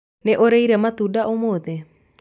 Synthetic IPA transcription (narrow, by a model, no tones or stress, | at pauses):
neʔoɾejɾamat̪udaʔomod̪e